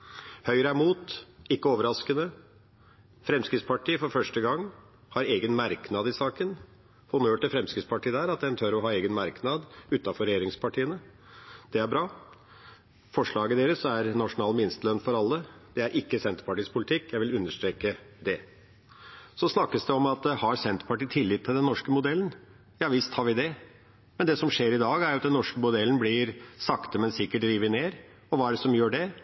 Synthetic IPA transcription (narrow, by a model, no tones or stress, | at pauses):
hœʏɾəæmuːt̪ɪkːəoːʋəɾɑskənə | fɾɛmskɾɪt̪spʰɑʈiːfɔɾfœʂʈəɡɑŋː | hɑɾeːɡənmæɾknɑd̪ɪsɑːkən | hʊnøːʈɪlfɾɛmskɾɪt̪spʰɑʈiːd̪æːɾɑt̪̚d̪ɛnt̪ʰøɾɔɦɑːeːɡənmɑɾknɑd̪ʉːt̪ːɑfɔɾɛjeːɾɪŋspʰɑʈiːənə | d̪̥ɛæɾbɾɑː | fɔʂɭɑːɡəd̪eːɾəsæɾnɑʂʊnɑːlmɪnst̪əlœnːfɔɾɑlːəd̪̥ɛæɾʔɪkːəsɛnt̪ə̥pɑʈiːspʰʊlɪt̪ʰɪkːjæɪʋɪlʉnːəʂʈ̪ɾeːkəd̪ɛ | sɔsnɑkːəsd̪ɛɔmɑt̪hɑɾsɛnt̪ə̥pʰɑʈiːt̪ʰɪlːɪt̪ʰːɪld̪ɛnːɔʂkəmʊd̪ɛlːən | jɑːʋɪst̪hɑɾʋɪd̪ɛ | mɛnd̪ɛsɔmʂeːɾɪd̪ɑːɡæɾjʊɑt̪d̪ɛnːɔʂkəmʊd̪ɛlənblɪɾsɑkt̪əmɛnsɪkːəʈ̪ɾiːʋəneːɾ | ɔʋɑːæɖəsɔmjøːɖɛ